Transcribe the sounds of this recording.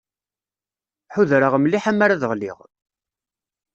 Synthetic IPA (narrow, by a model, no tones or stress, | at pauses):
ħuðɾəʁəmliħamːaɾaðəʁlḭʁ